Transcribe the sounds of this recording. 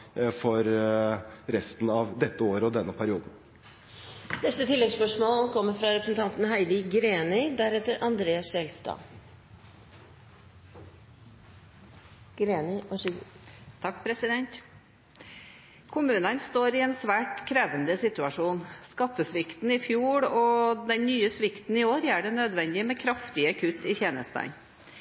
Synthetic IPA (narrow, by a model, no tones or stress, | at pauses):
fɔɾ | ɾɛst̪n̩ɑʋd̪ɛt̪ːəoːɾəɔd̪ɛnːəpʰæɾɪuːd̪n̩ | nɛst̪ət̪ʰɪlːɛɡspœʂmoːlkʰɔmːəɾfɾɑɾɛpɾəsn̩t̪ɑnt̪n̩hæɪd̪ɪɡɾeːnɪd̪æɾɛt̪ːəɾʔɑnd̪ɾeːɑsɛlst̪ɑ̰ː | ɡ̥ɾeːnɪ | t̪ʰɑkːpʰɾɛsɪd̪ɛnt̪ | kʰʊmʉːnənst̪oːɾɪɛːnsʋæːʈkʰɾɛːʋənd̪əsɪt̪ʉɑʂuːnskɑt̪ːəsʋɪkt̪n̩ɪfjuːɽɔd̪ɛnnyːəsʋɪkt̪n̩ɪoːɾæːɖɛnød̪ʋɛnd̪ɪəmɛkʰɾɑft̪ɪəkʰʉt̪ʰːɪçeːnə̰st̪æ̰ɪn